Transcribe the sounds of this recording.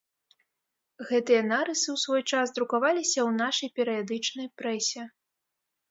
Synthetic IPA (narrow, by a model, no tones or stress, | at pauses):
ɣɛt̪ɨjɐnaɾɨsɨwsvɔjt͡ʂasd̪ɾukavalʲisʲɐwnaʂɐjpʲɛɾɨjad̪ɨt͡ʂnɐjpɾɛsʲɛ